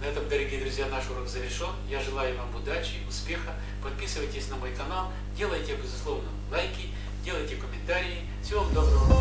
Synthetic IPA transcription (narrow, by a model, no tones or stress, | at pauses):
nɐɛt̪əmd̪əɾɐɡʲijd̪ɾʊzʲjanaʂuɾokzəvʲɪrʂonjaʐɨlˠajʊvamʊd̪at͡ɕɪʊspʲexə | pɐt̪̚pʲisɨvəjtʲɪsʲnɐmojkɐnalˠ | dʲe̞lˠəjtʲɪbʲɪzʊslˠovnəlˠajkʲɪ | dʲe̞lˠəjtʲɪkəmʲɪnt̪aɾʲɪɪ | fsʲovamd̪obɾə